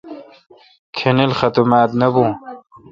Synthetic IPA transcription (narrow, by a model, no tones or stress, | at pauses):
kʰenelxɐt̪umaːt̪nɐbũː